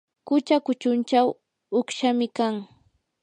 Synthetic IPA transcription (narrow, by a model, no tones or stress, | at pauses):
kʊt͡ʃakʊt͡ʃʊnt͡ʃaw | ʊkʃamɪkaŋ